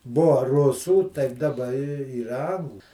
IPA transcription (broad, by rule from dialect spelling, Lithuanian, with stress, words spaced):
ˈbʊɐ ˈrʊsuː tɐɪp dɐˈbɐ ɪ ˈiːrɐ ˈɐŋɡlˠʊ